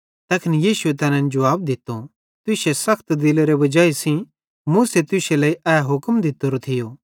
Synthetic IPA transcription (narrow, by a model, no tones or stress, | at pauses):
t̪ɛːkʰɪnijiːsʊet̪ɛːnɛ̃nd͡ʒɐʋaːbd̪ɪt̪ːo | t̪ʊsesɐkʰt̪d̪ɪleɾebɐd͡ʒaːisĩ | mũːset̪ʊselɐːiʔɛːɦʊkmd̪ɪt̪ːoɾot̪ʰɪjoː